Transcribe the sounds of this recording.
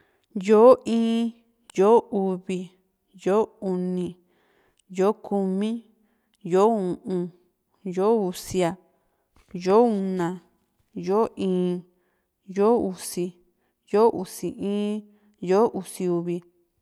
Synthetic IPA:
jo˦ĩː˦ | jo˦ʔu˧βi˧ | jo˦u˧nĩ˧ | jo˦kʰu˧mĩ˦ | jo˦ũ˨ʔũ˧ | jo˦u˧si˧˦a˧ | jo˦u˧nã˧ | jo˦ʔĩː˨˦ | jo˦u˧si˧ | jo˦ʔu˨si˨ʔĩː˦ | jo˦ʔu˧si˧u˧βi˧

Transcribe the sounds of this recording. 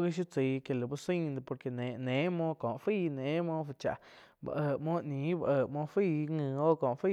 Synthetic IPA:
ɡi˦ʃ̬i˦t͡si˨˧ke˨la˨bu˧˦si˦ɲd̪po˧ɾke˧ne˨ne˨˦mõ˦ko˨ʔfi˦˧ne˨˦mo˦ft͡ʃa̰˨ʔ | ba̰˧ʔə˧mo˦ni˨˦ba˧˨ə˧˨mo˦fi˦˧ŋɨ˧˨o˦ko˨ʔfi˦

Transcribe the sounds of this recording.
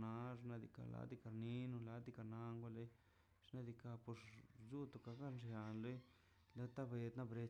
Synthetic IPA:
na˦ʐna˧d̪ḭ˧ka̰˧la̰˧d̪i˧ka˨ɾni˦nu˧la˧˦d̪i˧ka˧na˦ŋɡʷa˦˧le˦ | ʐ̥na˦˧d̪i˧ka˧po˧ʂzu˦t̪o˧˨ka˧ɡa˦nʐja˨nle˦ | le˦t̪a˦be˧˨d̪na˦bɾe˧

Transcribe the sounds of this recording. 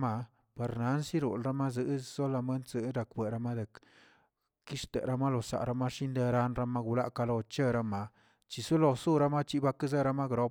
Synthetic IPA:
ma˧ | pe˨ɾna˨˦nsi˦ɾṵ˨lɾa˦ma˦zɨ˦zo˦la˧me˦nt͡sɨ˧˦ɾa˨kbʷe˨ɾa˧ma˦d̪e˨k | ki˦ʂt̪ḛ˨ɾa˦ma˦lo˨sa̰˨ɾa˧ma˦ʂi˦nd̪e˧ɾa˧˦nɾa˧ma˦ɡu˧la˦ʔka˧lo˧t͡ʃe˦ɾa˦ma˧ | t͡ʃi˨su˦lo˧su˦˨ɾa˧˦ma˦t͡ʃi˦ba˧ki˦ze˦ɾa˧ma˦ɡɾo˧˦p

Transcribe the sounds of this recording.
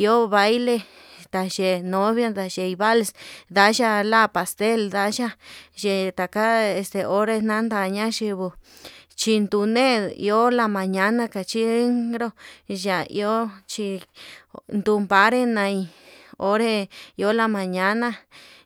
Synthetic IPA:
i˧o˦βa˦jle˧ | t̪a˨ʒe˨nõ˨˦βja˦d̪a˧ʒe˧i˧βa˦lsd̪a˧˦ʒa˧la˦pa˨st̪e˦ld̪a˧˦ʒa˦ʒe˨t̪a˨ka˦e˧st̪e˨o˦ɾe˦nã˦nd̪a˧˨ɲã˦ʃi˧βu˧ | t͡ʃi˧nd̪u˧nẽ˦ḭ˧o˦la˧mã˨ɲã˧˦nã˦ka˨t͡ʃi˦e˦ŋɡɾo˦ʒa˨ḭ˧o˦t͡ʃi˧ | nd̪u˧mba˨˦ɾe˦nã˧i˧o˦ɾe˦i˧o˦la˧mã˨ɲã˧nã˦˧

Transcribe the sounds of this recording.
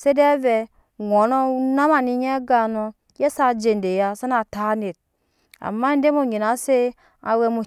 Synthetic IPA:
se˦dɛ˦vɛ˧ | ŋʷɔ˨˦nɔ˦u˦na˦ma˨ni˧ɲ˦ɛ˦ɡa˨nɔ˧ | je˦sa˦˨d͡ʒe˨n˨de˨ja˦sa˦na˨ta˦ne˨t̚ | a̰˨mːa˦n˦de˦mo˦˨ɲe˨na˨˦se˦ | a̰˨wɛ˧mo˨

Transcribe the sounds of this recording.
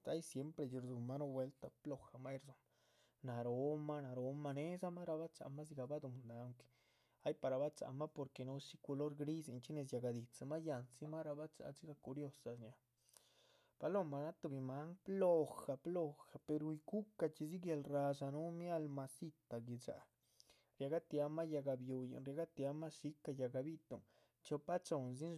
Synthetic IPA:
a˦jsje˦mpɾe˧d͡ʒi˧ɾd̪u˨mːa˦no˦˧we˧˦lt̪a˧˨plo˧˨xa˨ma˦jɾzo˧m | na˨ɾo˨˦ma˦na˨ɾo˨˧˦ma˧ne˦za˦ma˦ɾa˧ba˦t͡sa̰˧˨ma˦z̬i˧ɡa˧ba˦d̪u˨mnd̪a˨ŋke̥ | a˦jpa˨ɾa˨˧ba˦t͡sa̰˧˨ma˦po˨ɾke˨no˦si˦ko˧lo˦ɾɡɾi˦si˧nt͡ʃi˦ne˧˨s̬ja˧ɡa˨d̪i˨t͡sa˧ma˦ja˧nsi˦ma˦ɾa˧ba˦t͡sa̰˧si˦ɡa˧ku˧ɾjo˧sa˧sɲa˧ | b̥a˧lo˦ma˧na˦t̪u˧bi˧ma˦ŋplo˦˧xa˨plo˦˧xa˨pe˧ɾu˧jɡu˦ka˧t͡ʃi˧zi˦ɡja˧lɾa˧sa˧nu˦mja˦lma˧si˦t̪a˨ɡi˧d͡ʒa̰˨ | ɾja˧ɡa˦t̪ja˧ma˦ja˧ɡa˧bju˧ja̰˧˨nɾja˧ɡa˦t̪ja˧ma˦si˧˦ka˧ja˨ɡa˧bi˦t̪o̰˨ | t͡ʃo˧pa˦t͡ʃo˧nz̬i˦n

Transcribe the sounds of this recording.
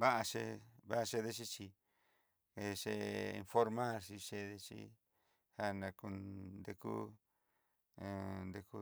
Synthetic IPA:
βa˦ʔa˧ʃe˧βa˦ʔa˧ʃe˧ðe˦˧ʃ̬i˦t͡ʃi˧ | e˧ʃe˧ḭ˧nfo˦ɾmã˦ɾʃi˧ʃe˧ðe˧t͡ʃḭ˦ | ha˦nã˧ku˧nnd̪e˧kṵ˦ | ẽ˧nd̪e˧ku˦

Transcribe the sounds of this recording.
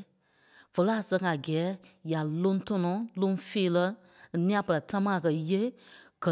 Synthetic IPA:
v̥ə˨lə˨˦a˨sɛ̃˧ŋa˨ɡɛː˨˦ja˨lõ˦tɔ˧nɔ̃˨˦lõ˦feː˦lə˧ | nĩ˦ã˧pə˧la˨ta˦mãː˦a˨kɜ˨je˦ɡ̥ə˨

